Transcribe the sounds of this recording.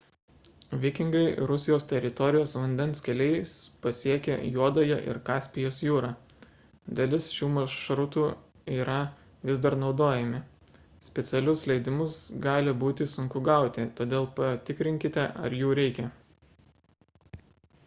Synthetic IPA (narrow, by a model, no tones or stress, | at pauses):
ʋʲɪkʲɪŋɡɐɪɾʊsʲɪjoːst̪ʲɛɾʲɪt̪ɔɾʲɪjoːsʋɐnʲd̪ʲɛnskʲɛlʲɛɪspɐsʲiɛkʲɛ̰juɔd̪ojɛʔɪ̰ɾkɑːsʲpʲɪjoːsjuːɾɑ | d̪ʲɐlʲɪsʃʲuːmɐʃɾʊt̪uː | iːɾɐ | ʋʲɪzd̪ɐɾnɒʊd̪oːjɛmʲɪ | sʲpʲɛt̪sʲɛlʲʊslʲɛɪd̪ʲɪmʊsɡɑːlʲɪbuːt̪ʲɪsʊŋkʊɡɐˑʊt̪ʲɪt̪oːd̪ʲeːlˠpɐt̪ʲɪkɾʲɪŋʲkʲɪt̪ʲɛʔɐ̰ɾjuːɾʲɛɪkʲɛ